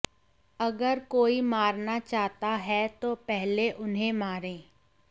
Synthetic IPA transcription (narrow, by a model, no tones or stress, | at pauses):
ɐɡəɾkoːimaːɾnat͡ʃaːɦt̪aɦɛt̪oːpɛɦleʔʊnɦẽmaːɾẽː